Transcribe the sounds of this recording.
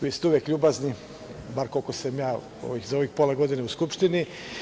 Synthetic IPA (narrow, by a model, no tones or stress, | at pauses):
ʋiːst̪euʋjekʎʲuːbazni | baɾkolkosamjaː | o̰ʋixzaoʋixpoleɡo̞d̪ineuskupʃt̪ini